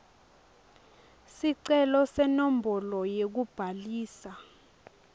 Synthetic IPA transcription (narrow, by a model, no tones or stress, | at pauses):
siǀɛlɔsɛnɔmbʱɔlɔjek̬ub̥ʱaliːsa